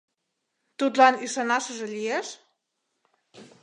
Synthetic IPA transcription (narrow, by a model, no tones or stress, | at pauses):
t̪ut̪laniʃanaʃəʒelʲieʃ